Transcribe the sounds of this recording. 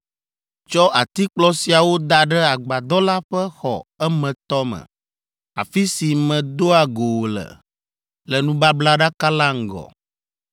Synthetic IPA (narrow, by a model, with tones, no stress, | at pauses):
t͡ʃɔ˦ʔa˨t̪i˦k͡plɔ˦si˨a˨wo˦d̪a˨ɖɛ˦a˨ɡ͡ba˨d̪ɔ˦la˦ɸɛ˦xɔ̰˨ɛ˦mɛ̃˨t̪ɔ˦mɛ̰˨ | a̰˨fi˦si˨mɛ̃˨d̪o˦a˨ɡo˨wo˨lɛ̰˨ | lɛ˨nũ˦ba˦bla˦ɖa˦ka˦la˦ŋ̩˦˨ɡɔ̰˨